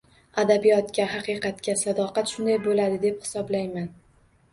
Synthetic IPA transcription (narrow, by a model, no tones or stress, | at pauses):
ad̪abijɒt̪kʲaɦɑqɨjqʰɑt̪kʲasad̪ɒqɑt̪ʃʊnd̪ajbolad̪ɪd̪e̞phɪ̥sɒblajman